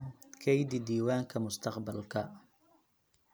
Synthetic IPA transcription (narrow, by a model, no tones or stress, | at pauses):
kʰɛjd̪ɪd̪iːwaːŋkʰɐmʊst̪ʰɑqbɐlkʰɐ